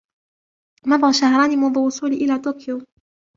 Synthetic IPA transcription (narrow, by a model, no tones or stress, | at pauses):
mɑbˤɣɑʃahɾˤɑːnimaðʊwʊsˤuːliʔɪlaːt̪oːkɪjo